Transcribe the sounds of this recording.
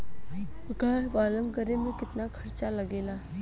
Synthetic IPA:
ɡəɦbaːləŋɡəɾemẽkɪt̪nakʰəɾt͡ʃaləɡeːla

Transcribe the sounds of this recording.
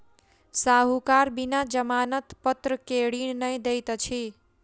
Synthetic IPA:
saɦukaɾbinad͡ʒəmanət̪pət̪ɾəkeɽinnəjd̪ejt̪t͡ʃʰi

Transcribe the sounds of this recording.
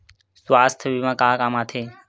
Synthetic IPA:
sʋaːst̪ʰʋimãːkãːkaːmaːt̪ʰeː

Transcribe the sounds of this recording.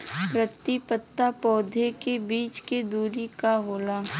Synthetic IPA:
pɾət̪ːipət̪ːapɔːd̪ʱekebiːt͡ʃked̪uːɾikaɦoːlaː

